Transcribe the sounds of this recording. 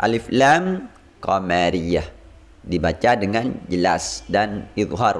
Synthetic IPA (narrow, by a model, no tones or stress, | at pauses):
ʔa̰liflam | kɔmaɾia | dibat͡ʃadəŋand͡ʒəla̰sdaniðɦar